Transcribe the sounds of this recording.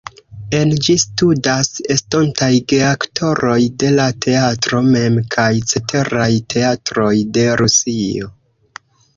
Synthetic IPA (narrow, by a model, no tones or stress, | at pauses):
e̞nd͡ʒistudase̞stontajɡeaktʰo̞ɾo̞jde̞latʰe̞atɾo̞memkʰajt͡se̞tʰe̞ɾajtʰe̞atɾo̞jde̞ɾusio̞̰